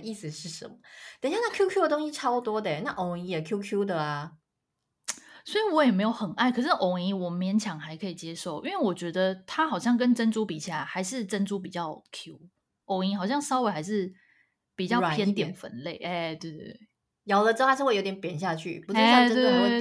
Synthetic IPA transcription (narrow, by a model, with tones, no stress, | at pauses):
i˥˩s̩˨˩ʂɻ̩˥˩ʂə̰˧˦nmə˦t̪i˨˥˦ɕja˥˧na˥˩kʰju˥kʰju˥də˨t̪ʊ˥ŋɕi˧˥ʈ͡ʂʰɑ˥ʊpu˧t̪wɔ˥d̪ə˨na˥˩ʔo˧˩ʊi˧˥jɛ˨˩kʰju˥kʰju˥d̪ə˨a˩ | swo˧˥i˧˨wɔ˧˥jɛ˨˩me˧˥ɪjo˨˩ʊxə˨˩na˥˩ɪkʰɤ˨˩ʂ̩˥˩ʔo˨˧˩ʊi˧˥wɔ˨˩mjɛ˧˥˦nt͡ɕʰjɑ˨˩ŋxa˧˥ɪkʰɤ˧˥i˨˩t͡ɕjɛ˥ʂo˥˩ʊʔi˥nwe˥˩wɔ˨˩t͡ɕɥɛ˧˥d̪ə˧t̪ʰa˥xɑ˨˩ʊɕjɑ˥˩ŋk̬ə˥nʈ͡ʂə˥nʈ͡ʂu˥pi˨˩ɕʰi˨˩a˧˨˩ɪxa˧˥ɪʂɻ̩˥˨ʈ͡ʂə˥nʈ͡ʂu˥pi˨˩t͡ɕjɑ˥˩ʊkʰju˥ | ʔo˨˩ʊi˧˥xɑ˨˩ʊɕjɑ˥˩ŋʂɑ˥ʊwe˧˥ɪxa˧˥ɪʂ̬ɻ̩˥˩ | pi˨˩t͡ɕjɑ˥˩ʊpjɛ˥nt̪jɛ˨˩nfə̰˧˦nle˥˩ɪʔɛ˥˧t̪we˥˧ɪte˥˩ | jɑ˨˥ʊlə˧ʈ͡ʂ̩˥˩ʂɻ̩˥˧wjo˧˥ʊjʲɛ˧˦npjɛ˨˩nɕja˥˧t͡ɕʰy̰˥˩pu˧ʈ͡ʂɻ̩˥˧˥t̪e˧˥